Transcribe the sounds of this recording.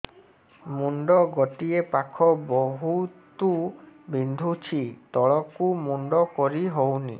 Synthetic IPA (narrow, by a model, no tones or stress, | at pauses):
muɳɖɔɡɔʈiepakʰɔbɔɦutt̪ubind̪ʱut͡ʃʰit̪ɔɭɔkumuɳɖɔkɔɾiɦownḭ